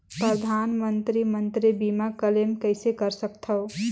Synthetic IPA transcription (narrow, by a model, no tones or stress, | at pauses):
pɾəd̪ʱanmənt̪ɾimənt̪ɾibimakəlemkəɪsekəɾsəkt̪ʰəo